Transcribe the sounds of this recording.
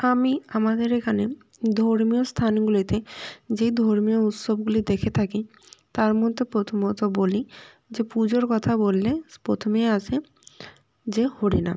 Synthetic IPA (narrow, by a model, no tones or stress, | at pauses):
amiamad̪eɾekʰane | d̪ʱoɾmijost̪ʰaniɡulit̪ed͡ʑejd̪ʱoɾmijout̪sobɡulid̪ekʰet̪ʰaki | t̪aɾmod̪ʱːepɾot̪ʰomot̪oboli | d͡ʑepud͡ʑoɾkɔt̪ʰabolːepɾot̪ʰomeat͡ʃʰe | d͡ʑehoɽina̰